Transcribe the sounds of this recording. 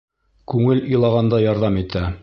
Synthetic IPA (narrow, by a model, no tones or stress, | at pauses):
kʉŋɘlɵ̆jlˠɑʁɑnd̪ɑjɑɾðɑmit̪æ